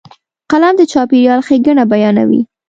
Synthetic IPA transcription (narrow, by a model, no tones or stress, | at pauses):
qalamd̪ət͡ʃɑpeɾjɑlxeɡaɳabajɑna̰wḭ